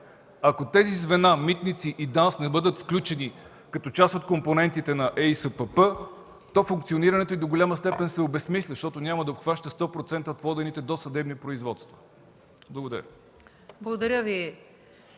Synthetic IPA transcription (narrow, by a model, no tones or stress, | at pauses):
ɐkot̪ɛzizvɛnamit̪nit̪siʔid̪ansnɛbɤd̪ət̪fklʲut͡ʃɛni | kɐt̪ɔt͡ʃast̪ot̪̚komponɛnt̪it̪ɛnɐʔɛjsəpəpə | t̪ɔfuŋkt̪sioniɾɐnɛt̪oid̪oɡolʲaməst̪ɛpɛnsɛobɛsmislʲəʃt̪ɔt̪onʲamɐd̪ɐopxvaʃt̪əst̪ɔpɾot̪sɛnt̪əot̪vɔd̪ɛnit̪ɛd̪osɐd̪ɛbnipɾoizvɔt̪st̪vɐ | blˠəɡod̪ɐɾʲə | blˠɐɡod̪ɐɾʲəvi